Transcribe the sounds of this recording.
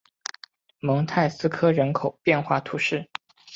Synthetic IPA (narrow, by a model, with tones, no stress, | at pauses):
mɤ˧˥ŋt̪ʰa˥˩ɪsɹ̩˥kʰɤ˥ɻə˧˥nkʰo˨˩ʊpjɛ˥˧nxwa˥˩t̪ʰu˧˥ʂɻ̩˥˩